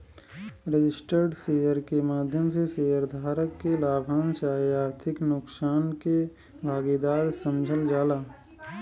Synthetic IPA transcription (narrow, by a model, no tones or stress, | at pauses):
ɾed͡ʒɪsʈəɾɖseːjəɾkemaːd̪ʱjəmseseːəɾd̪ʱaːɾəkːelaːbʱaːnʃaːaːɾt̪ʰɪknʊksaːnke | bʱaːɡid̪aːɾsə̃md͡ʒʱəld͡ʒaːlaː